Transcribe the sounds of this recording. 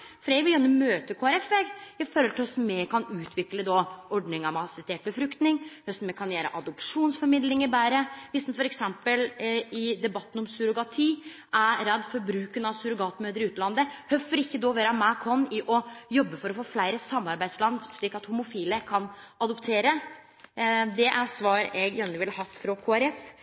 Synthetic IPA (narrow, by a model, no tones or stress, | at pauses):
fɾɛɪʋɪjœnːəmøːt̪əkʰoːæɾɛfʋeːɡɪfɔːɾɔlt̪ɪlhœst̪̩meːkʰɑnʉːt̪ʰʋɪkləd̪ɔɔɖɳɪŋɑʋmɑsɛst̪ʰeːʈ̚bəfɾʉkt̪nɪŋhœst̪̩meːkʰɑnjæːɾə̰ʔɑd̪ɔpʂuːnsfɔɾmɪd̪lɪŋɪbæːɾəʋɪst̪n̩fɔɾɛksɛmpəlɪd̪ɛbɑt̪ːn̩ɔmsʉɾʊɡɑt̪ʰiː | ʔæɾɛd̪ːfɔɾbɾʉːkənɑʋsʉɾʊɡɑːt̪møːd̪əɾɪʉːt̪lɑnd̪əhœfːɔɾɪçːəd̪oːʋeːɾɑmækʰɔnːɪʔɔjɔbːəfɔɾɔfoːflæɪɾəsɑmːɑɾbæɪd̪slɑnʂɭiːkɑt̪hʊmʊfiːləkʰɑnɑd̪ɔpt̪ʰeːɾə | d̪ɛʔæɾsʋɑːɾɛɡjœnːəʋɪlhɑt̪ːfɾɔkʰoːæɾɛf